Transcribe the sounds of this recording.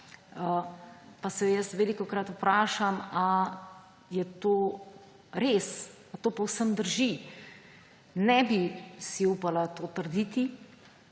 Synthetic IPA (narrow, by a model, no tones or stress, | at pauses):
əpasɛjəst̪ʋeːlikɔkɾat̪upɾaːʃama | jɛt̪oː | ɾeːs | at̪oːpɔwsəmd̪əɾʒi | nɛbisiuːpalat̪oːt̪əɾd̪it̪i